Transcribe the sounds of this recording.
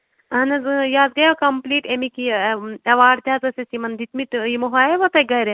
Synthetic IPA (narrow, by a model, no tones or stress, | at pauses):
ɐnɐzjaːd̪̚ɡɐjakɐmpliːʈemikiɐʋaːɖt̪ʲaːzɐsesimɐnd̪it̪mit̪imoɦaːjeʋɐt̪ɐɡɐɾe